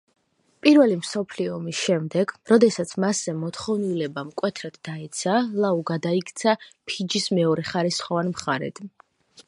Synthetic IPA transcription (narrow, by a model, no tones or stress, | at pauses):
pʼiɾvɛlimsɔpʰliɔɔmisʃɛmd̪ɛɡ̥ɾɔd̪ɛsat̪sʰmaszɛmɔt̪χɔvnilɛbamkʼwɛt̪ʰɾad̪̥d̪aɛt̪sʰalˠauɡad̪aikʰt̪sʰapʰid͡ʒismɛɔɾɛχaɾisχɔvanmχaɾɛ̰d̪̥